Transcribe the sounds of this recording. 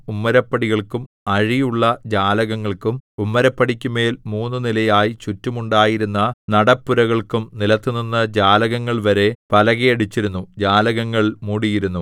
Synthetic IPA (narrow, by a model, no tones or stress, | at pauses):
umːɐɾɐpːɐɽiɣɐɭkum | ɐɻijuɭːɐd͡ʑaːlɐɣɐŋːɐɭkumumːɐɾɐpːɐɽikʲːume̞ːlmuːnːunilɐjaːjit͡ɕutːumuɳɖaːjiɾunːɐnɐɽɐpːuɾɐɣɐɭkumnilɐt̪ːuninːɐd͡ʑaːlɐɣɐŋːɐɭʋɐɾe̞pɐlɐɣejɐɽit͡ɕːiɾunːud͡ʑaːlɐɣɐŋːɐɭmuːɽijiɾunːu